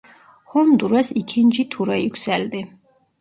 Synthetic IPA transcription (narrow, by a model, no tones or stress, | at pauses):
hɔnd̪uɾɛsikʰind͡ʒit̪ʰuɾɛikʰʷsɛld̪i